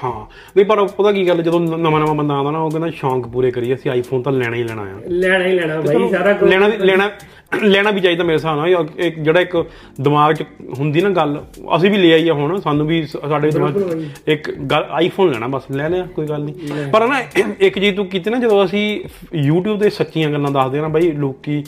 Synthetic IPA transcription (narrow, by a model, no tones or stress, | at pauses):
hãː | nə̃ipəɾpət̪aːk̬iːɡəlːd͡ʒəd̪õːnəmãːnəmãːbənd̪aːnd̪aːnãːoːkɪnd̪aːʃɔ̃ːŋkpuːɾeːkəɾiːɛːəsĩːaːiːpʰoːnt̪ãːlɛːɽãːiːlɛːɽ̃a̰ːjã̰ːlɛːailɛ̃ːaõlɛːnãːlɛːɽ̃aː | lɛːɽaːbiːt͡ʃaːid̪ãːmeːɾeːs̬aːnaːɪkd͡ʒeːɽaːɪk | d̪ɪmaːɡt͡ʃəɦʊnd̪iːnãːɡələ̰sĩːbiːleːaːiːɛːɦʊɳsaːnũːbiːsaːɖeːʋiːd̪ɪmaːɡɪkɡəlaːiːpʰoːnlɛːɽ̃ãːbəslɛːneːaːkoːiːɡəlniːpəɾnãːɪkd͡ʒiːt̪ũːkiːt̪eːnaːd͡ʒəd̪õəsĩːjuːʈ̬juːbd̪eːsətːʃijãːɡəlːãːd̪asd̪eːnaːbaːiːloːkːiː